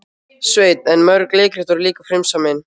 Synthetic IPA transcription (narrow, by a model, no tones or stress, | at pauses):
sveːjt̪ɛnmœɾkleːkɾɪ̥t̪ɔɾliːkafɾɪmsamɪn